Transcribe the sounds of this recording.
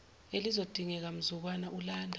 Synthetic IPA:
elizod̥ʱiŋɛk̬am̩zuk̬wanaʔulaːndʱa

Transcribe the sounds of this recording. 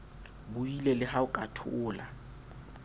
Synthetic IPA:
bʊilelɪhaʊkʼatʰʊːla

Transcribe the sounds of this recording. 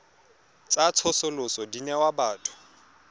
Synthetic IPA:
t͡sʼat͡sʰʊsʊlʊsɔdinɛwabaːtʼʊ̥

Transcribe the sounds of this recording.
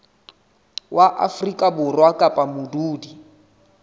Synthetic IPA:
waʔafrikʼabʊrwakʼapʼamʊduːdi

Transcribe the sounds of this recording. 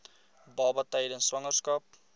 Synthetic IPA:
bɑːbɐtəjdənswɐŋərskɐp̚

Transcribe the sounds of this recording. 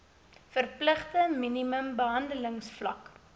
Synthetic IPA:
fərpləχtəminiməmbəɦɐndələŋsflɐ̰k

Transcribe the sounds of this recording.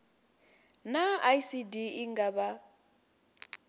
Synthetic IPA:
naajsidiiŋɡaβa

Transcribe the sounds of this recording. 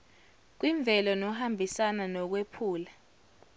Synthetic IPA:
k̬wiɱb̪vʱɛlɔnɔɦambʱisananɔk̬wepʰuːla

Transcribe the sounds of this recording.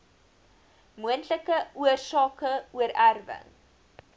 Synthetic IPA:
muəntləkəuərsɑːkəuəɾærvə̰ŋ

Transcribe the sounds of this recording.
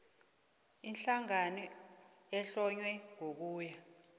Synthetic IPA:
inɬaŋani | ɛɬɔɲwɛŋok̬uːja

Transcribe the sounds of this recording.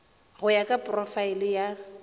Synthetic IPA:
ɣʊjakʼapʼrɔfailɪja

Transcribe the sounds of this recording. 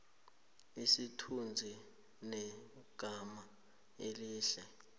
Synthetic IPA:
isitʰund͡zʱi | nɛ | ɡ̥ʱama | eliːɬɛ

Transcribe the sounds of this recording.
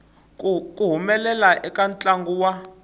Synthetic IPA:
kʼuɦumɛlɛlaʔɛkʼant͡ɬʼaŋɡuwa

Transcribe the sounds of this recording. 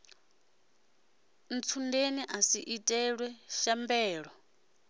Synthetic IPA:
n̩t͡sʰundeniʔasiʔitʼɛɺwɛʃambɛːɺɔ

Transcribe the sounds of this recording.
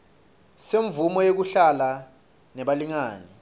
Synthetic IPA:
seɱvumɔjek̬uɬala | nɛɓaliŋaːni

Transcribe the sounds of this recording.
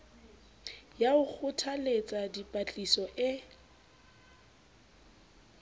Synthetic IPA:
jaʊk͡xʰʊtʰalet͡sʼadipʼat͡ɬʼisɔʔɪ

